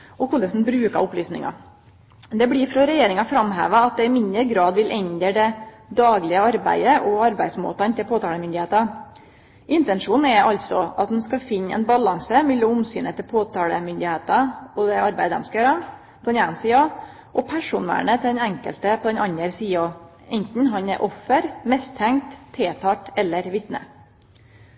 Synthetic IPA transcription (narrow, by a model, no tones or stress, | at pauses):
ɔkʰʊləsn̩bɾʉːkɑ̰ɾʊplyːsnɪ̰ŋɑ̰ | d̪ɛblɪfɾɑɾɛjeːɾɪŋɑfɾɑmɦḛːʋɑɑt̪̚d̪ɛɪmɪnd̪əɾɡɾɑːd̪ʋɪlʔɛɲd̪əɖɛ | d̪ɑːɡlɪəɑɾbæ̰ɪəʔɔɑɾbæɪsmo̰ːt̪ɑnt̪ʰɪlpʰoːt̪ʰɑːləmʏnd̪ɪheːt̪ɑ | ʔɪnt̪ɛnʂuːn̩ɛʔɑlt̪sɔʔɑt̪̚d̪ɛn̩skɑfɪnːɛ̰nbɑlɑŋsəmɛlːʊmʊmsyːnət̪ʰɪlpʰoːt̪ɑːləmʏnd̪ɪheːt̪ɑɔd̪ɛɑɾbæɪəd̪ɛ̰mskɑjøːɾə | pʰɔd̪ɛnɑːnnsiːɑ | ʔɔpʰæʂuːnʋæ̰ːɳət̪ʰɪld̪ɛnɛŋkə̰lt̪əpʰɔd̪ɛnɑɲəɾsiːo | ɛnt̪n̩ɦɑnɛ̰ɾʔɔfːəɾmɛst̪ʰːæŋt̪ʰːeːt̪ʰɑːʈɛlːəɾʋɪt̪nə̰